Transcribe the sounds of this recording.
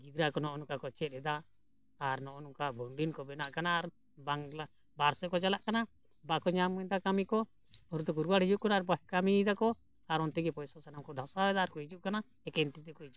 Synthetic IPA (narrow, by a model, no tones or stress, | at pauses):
ɡid̪ɾakɔnɔʔɔnukakɔt͡ʃɛt̪̚ˀɛd̪aː | ɾnɔʔɔnukabʱɔɳɖinkɔbɛnaʔkanaːɾ | baŋla | baɾsɔkɔt͡ʃalaʔkana | bakɔɲamɔɲd̪akamikɔ | ɔɾut̪ɔkuɾbaɽid͡ʒuʔkanaaɾbɔkamid̪akɔ | aɾɔnt̪ɛɡɛpɔjsasanamkɔd̪ʱasaɛd̪aːɾkɔid͡ʒuʔkana | ɛkɛnt̪it̪ɛkɔid͡ʒuʔ